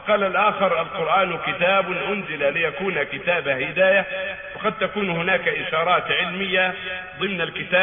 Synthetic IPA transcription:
qɑːlalʔaːxɪɾˤʔalqʊɾʔaːnkɪt̪aːbʔʊnzɪlalɪjakuːnakɪt̪aːbahɪd̪aːja | fɑqɑd̪̚t̪akuːnhɪnaːkaʔɪʃɑːɾˤɑːt̪ʕɪlmɪjːaðˤɨmnalkɪt̪aː

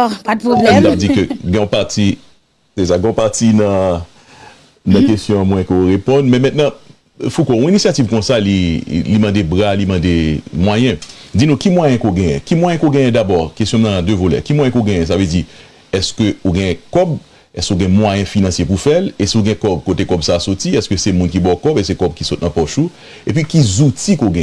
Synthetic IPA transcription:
pad̪̚poblɛt̪avd͡zikøɡɛ̃ɔ̃paʁt̪i | ses̬aɡɛ̃ɔ̃paʁtinɐ̃ | nɐ̃kestjɔ̃mw̃ɛ̃kooʁepɔ̃nmɛ̃mɛ̃t̪̚nɐ̃ | fukoɔ̃inisjativkɔ̃salilimɑ̃debʁalimɑ̃demwajɛ̃d͡zinũkimwajɛ̃koɡɛ̃jɛ̰̃kimwajɛ̃koɡɛ̃jɛ̃d̪abɔkestjɔ̃mnãnãd̪øvolɛ̰kimwãjɛ̃koɡɛ̃jɛ̃s̬aved͡zi | ɛskøoɡɛ̃ɛ̃kɔb | ɛskoɡɛ̃mwajɛ̃finɑ̃sjepufɛlesiuɡɛ̃kɔbkotekɔbsaːsotiɛskøsɛmũnkibɔkɔbes̬ɛkɔb̚kisɔt̪̚nɐ̃pɔʃu | epɥikizutikoɡɛ̃ɛ̃

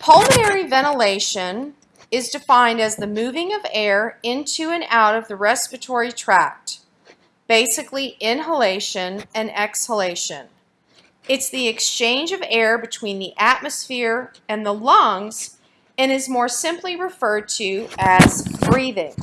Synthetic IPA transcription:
pʰʌlˠmənɛɹivɛñəleɪʃɨ̃n | ɨzdɨfãɪ̃ndɨzðɨmʉvɪ̃ŋʌvɛɹɪ̃ntʰʉɨ̃nʔa̰ʊɾʌvðɨɹɛspɨtʰɔɹitʰɹ̥æk̚t | b̥eɪsɨkliʔɪ̃nɦəleɪʃɨ̃nɨ̃nɛkshəleɪʃɨ̰̃n | ɨtsðiɨkst͡ʃʰẽɪ̃nd͡ʒʌvɛɹbɨtʰw̥ĩnðiʔæt̚mɨsfɪɹɨ̃nðəlʌ̃ŋz̥ | ɨ̃ñɨzmɔɹsɪ̃mpliɹɨfɜ˞d̚tʰʉɨz̥b̥ɹiðɪ̃ŋ

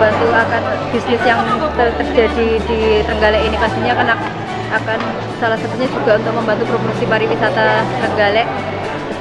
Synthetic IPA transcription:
bant̪uakanb̥isnɪsjaŋt̪ət̪ərd͡ʒadid̥it̪əŋɡalɛʔinikast̪iɲakanak̚ | akan | salahsat̪uɲad͡ʒuɡaunt̪ʊk̚məmbant̪̬upɾopursipaɾiwisat̪at̪əŋɡalɛʔ

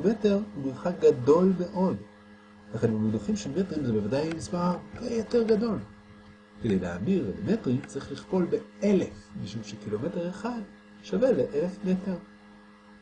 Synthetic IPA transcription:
me̞te̞ʁhumizχakɡado̞lme̞ʔo̞d | akanunoduχimʃemetʁimzebevadajmispaʁaejote̞ʁɡado̞l | kedejlea̰biʁlmetʁimt͡saʁiχliχpo̞lbe̞elefmiʃumʃekilo̞me̞te̞ʁeχad | ʃaveleʔele̞fmete̞ʁ

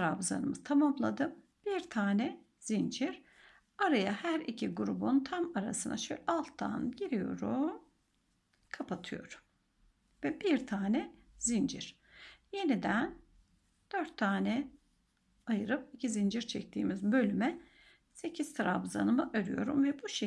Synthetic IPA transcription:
ɾabza̰nɯmɯt̪ʰamamlˠad̪ɯm | b̥iɾt̪ʰaːnɛ | z̥ind͡ʒiɾ̥ | aɾajahæɾicʰiɡuɾubunt̪ʰamaɾa̰sɯna̰ʃølʲalˠt̪ʰːa̰nɟiɾijo̞̰ɾu | kʰapʰat̪ʰɯjo̞̰ɾum | vɛbiɾt̪ʰaːnɛ | zind͡ʒiɾ̥ | je̞nid̪æn | d̪̥øɾt̪ʰːaːnɛ | ajɯɾɯpicʰizind͡ʒiɾt͡ʃʰɛc̚t̪ʰḭːmizbø̞lʲymɛ | se̞cʰizt̪ʰɾabza̰nɯmɯʔøɾy̰jo̞ɾumvɛbuʃe

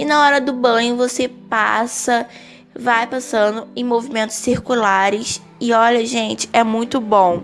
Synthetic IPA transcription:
ɪnɐɔɾɐd̪ʊbɐ̃ɲʊvosepa̰sɐ | vajpasɐ̃nd̪ʊẽj̃movimẽnt̪ʊ̥ʃsiɾkulaɾɪs | ɪɔʎɐʒẽnt͡ʃɪ̥ɛmũj̃t̪ʊbõw̃

